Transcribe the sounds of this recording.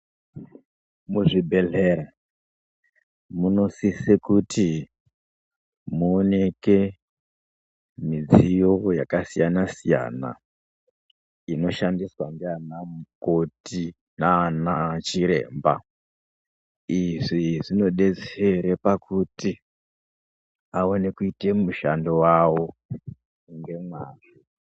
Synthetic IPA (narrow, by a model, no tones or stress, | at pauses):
muʐibʱe̞ɮeɾa | muno̞sisekutʰi | muone̞ke̞ | mid͡zijo̞ja̰kasijanasija̰na̰ | ino̞ʃandiswandeanamuko̞ti | naːnat͡ʃiɾe̞̰ːmba̰ | iʐiʐino̞ɗe̞d͡zeɾepakuti | aone̞kuite̞muʃandowawo̞ | ŋɡe̞mwaːʐi